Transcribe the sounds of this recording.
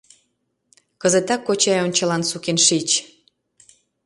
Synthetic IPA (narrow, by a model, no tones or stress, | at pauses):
kəzet̪ɑkːot͡ɕɑjonʲt͡ɕəlɑnsukenʃit͡ɕ